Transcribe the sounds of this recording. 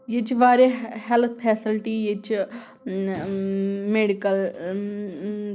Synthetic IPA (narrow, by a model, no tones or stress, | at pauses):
jet͡ʃiʋaːɾehɛlt̪ʰpʰɛːsɪlʈijet͡ʃ | meːɖikəl